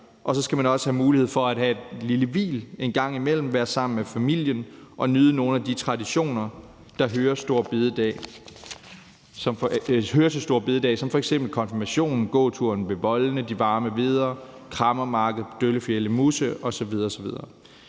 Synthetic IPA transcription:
ʔɒ̽sɒ̽sɡ̥æmænɒ̽səhæmuːlihe̝ð̞̰ˠfɒ̽æd̥ɦæe̝d̥liləʋḭːle̝nɡ̥ɑ̈ŋ̰imel̰m̩ʋæːɐsɑ̈m̰n̩mefæmil̰jənʔɒ̽nyːð̞ˠəno̝ːn̩æd̥it͡sʰʁɑ̈diɕo̝̰ːnɐ | d̥ɑ̈ɦøːɐsd̥o̝ɐ̰b̥eð̞ˠəd̥ɛ̰ | sɒmfhøːɐt͡sʰesd̥o̝ɐ̰b̥e̝ðˠəd̥ɛ̰ːsɒ̽mfɒ̽eɡ̥sem̰b̥l̩kʰɒ̽nfimæɕo̝̰ːnn̩ɡ̥ɔ̰̽ːt͡sʰuɐ̰nʋe̝ʋɒ̽lnəd̥iʋɑ̈ːməʋe̝ð̞ˠɐ | kʰʁɑ̈mɐmɑ̈ːɡ̥ð̩ˠd̥øləfjeləmusəɒ̽sɒ̽ʋið̞ˠɐ̽ːsɒ̽ʋiðˠɐː

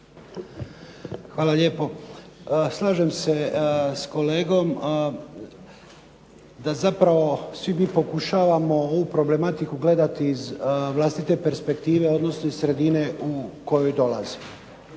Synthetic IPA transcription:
xʋaːlaʎje̞ːpo̞ | slˠaːʒe̞mse̞sko̞le̞ːɡo̞m | d̪azapɾaʋo̞sʋimiːpo̞kuʃaːʋamo̞oʋupɾo̞ble̞mat̪ikuɡle̞d̪at̪iːzʋlaːst̪it̪e̞pe̞ɾspe̞kt̪iːʋe̞o̞d̪no̞snoizsɾe̞d̪ine̞uko̞jo̞jd̪o̞la̰zi

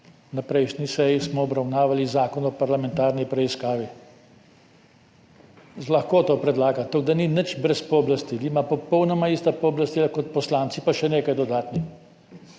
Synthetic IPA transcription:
napɾɛjʃnisɛjismɔɔbɾawnaːʋalizaːkɔnɔpaɾlamɛ̃nt̪aːɾnipɾɛiskaːʋi | laxkoːt̪oːpɾɛd̪laːɡat̪oɡd̪aninət͡ʃbɾɛspɔblast̪ilimapɔpɔwnɔmaiːst̪apɔːblast̪ilakɔt̪̚pɔslaːnt̪sipaʃɛneːkajd̪ɔd̪aːt̪ni

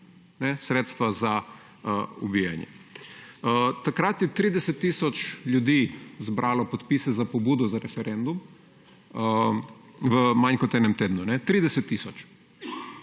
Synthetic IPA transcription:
nɛsɾeːt̪st̪ʋaza | ubiːja̰njɛ̰ | t̪akɾat̪jɛt̪ɾiːd̪ɛsɛt̪ːiːsɔt͡ʃljud̪izbɾʔaːlɔpot̪piːsɛzapobuːd̪ɔzaɾɛfɛɾend̪um | ʋəmaɲkɔt̪ɛːnɛmt̪eːd̪nunɛt̪ɾiːd̪ɛsɛt̪ːiːsɔt͡ʃ

